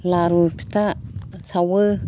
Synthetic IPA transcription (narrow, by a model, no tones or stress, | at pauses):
laɾupi̥t̪asawə